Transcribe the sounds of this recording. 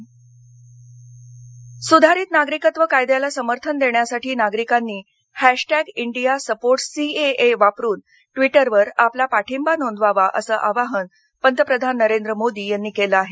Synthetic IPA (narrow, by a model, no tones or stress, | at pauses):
sud̪ʱaɾiːt̪naɡɾikət̪ʋəkajd̪jalasəməɾt̪ʰənd̪eɳjasaʈiːnaɡɾikanːiː | hæʂʈæɡiɳɖijasəpoɾʈsieeʋapɾuːn | ʈʋiʈəɾʋəɾaplapaʈʰimbanond̪ʋaʋaʔəsəːʔaʋaɦən | pənt̪əpɾəd̪ʱanːəɾend̪ɾəmod̪iːjanːiːkeləaɦe